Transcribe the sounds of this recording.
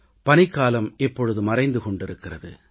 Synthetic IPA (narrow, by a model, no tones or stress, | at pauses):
pɐnɪkːaːlɐmɛpːɔɻɯðɯmɐrɐɪnd̪ɯkɔɳɖɪɾɯkːɪrɐðɯ̰